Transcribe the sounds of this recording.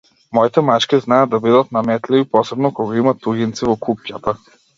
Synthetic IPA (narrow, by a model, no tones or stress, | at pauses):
mɔit̪ɛmat͡ʃkʲiznajad̪d̪abid̪at̪̚namɛt̪livipɔsɛbnɔkɔɡaimat̪uɡʲint̪sivɔkup̚cat̪a